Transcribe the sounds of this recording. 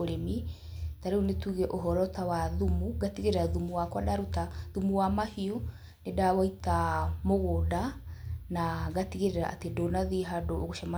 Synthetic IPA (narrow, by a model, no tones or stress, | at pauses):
oɾemi | taɾeunetuɣɛʔoɦɔɾɔtawaðumuɣatiɣeɾeɾaðumuwakwadaɾutaðumuwamahio | nedaβaitamoɣodanaɣatiɣeɾeɾa̰ʔa̰tedonaðiɦadooɣoʃama